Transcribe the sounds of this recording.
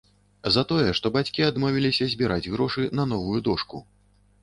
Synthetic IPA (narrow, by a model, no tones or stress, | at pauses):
zɐt̪ɔjɛʂt̪ɔbat͡sʲkʲiad̪mɔvʲilʲisʲɐzʲbʲiɾad͡zʲɣɾɔʂɨnɐn̪ɔvujud̪ɔʂku